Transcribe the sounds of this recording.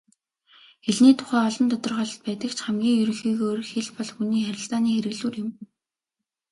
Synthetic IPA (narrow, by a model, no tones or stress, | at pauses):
xeɮniːt̪ʰʊ̥χæːɔɮɞ̆nt̪ɔt̪ɞ̆rχɔɮ̆t̪̚pæːt̪ə̆kt͡ɕʰχæmɡʲiːŋjɵɾɵ̆ŋxiːɣoːrxeɮpɔɮxuniːxæɾʲɪ̆ɬt͡saːniːxeɾɘ̆ɮuːrjɪ̆m